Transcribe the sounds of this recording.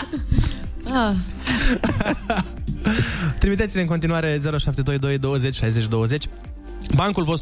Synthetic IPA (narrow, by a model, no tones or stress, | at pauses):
a | t̪ɾimit̪et̪ineɨŋko̞nt̪inuaɾe̞ze̞ɾoʃap̚t̪e̞d̪o̞jd̪o̞jd̪o̞wəze̞t͡ʃʲʃajze̞t͡ʃʲd̪o̞wəze̞t͡ʃʲ | baŋkulvo̞st̪